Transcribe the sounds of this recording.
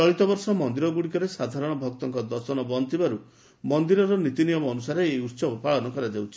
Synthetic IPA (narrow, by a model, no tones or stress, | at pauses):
t͡ʃɔɭit̪ɔbɔɾsɔmɔnd̪iɾɔɡuɽikɔɾesad̪ʱaɾɔɽ̃ɔbʱɔk̚t̪ɔŋkɔd̪ɔsɔnɔbɔnt̪ibaɾu | mɔnd̪iɾɔɾɔnit̪inijɔmɔːnusaɾeːjut̪sɔbɔpaɭɔnɔkɔɾad͡ʒawt͡ʃʰi̥